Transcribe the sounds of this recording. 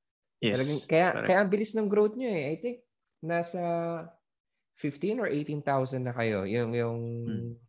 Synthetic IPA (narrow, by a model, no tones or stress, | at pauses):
ɛɐlɐɡaŋkɐja̰kɐjaʔɐŋbɪlɪsnɐŋɡɾowt̪̚ɲoɛʔajt̪ɪŋk̚ | naːsɐ | fɪft̪ĩnɔɹʔejt̪int̪awsɐnd̪nɐkɐjo̞̰jʊŋjʊŋ